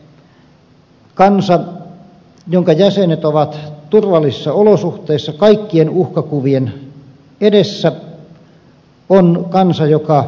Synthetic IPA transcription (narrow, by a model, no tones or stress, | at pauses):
kɑnsɑ | joŋkɑjæsenet̪oʋɑt̪t̪urʋɑlːisisːɑolosuht̪ˑeːsːɑkɑikːienuhkɑkuʋien | edesːæ | onkɑnsɑjokɑ